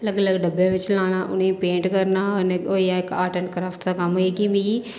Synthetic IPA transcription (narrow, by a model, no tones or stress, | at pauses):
ləɡələɡɖɐbːẽʋɪt͡ʃlaːñaʔʊnẽpẽːɳʈkɐɾnaɔnẽojaekaːʈəɳkɾaːfʈsakɐmoekibʱi